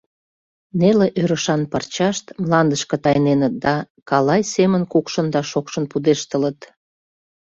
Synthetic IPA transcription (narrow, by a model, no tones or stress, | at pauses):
neleʔøɾəʃɑnpɑrt͡ɕɑʃt̪mlɑnd̪əʃkə̆t̪ɑjnenət̪̚d̪ɑ | kɑlɑjsemənkukʃənd̪ɑʃokʃənpud̪eʃt̪ələt̪